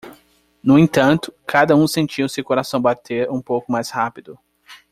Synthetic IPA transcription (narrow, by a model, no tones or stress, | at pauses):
nʊẽt̪ɐ̃nt̪ʊ̥kʰad̪ɐũsẽnt͡ʃiʊsewkoɾasɐ̃w̃bat̪ʰeɾũpowkʊmajshapid̪ʊ